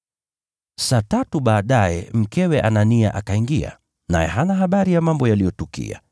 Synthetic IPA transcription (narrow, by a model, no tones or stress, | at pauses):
saːtatuɓaːɗajɛ̰m̩kɛwɛʔanania̰ʔakaiŋɡia̰ | na̰jɛ̰ɦanaɦaɓaɾijamambɔjalijɔtukḭa̰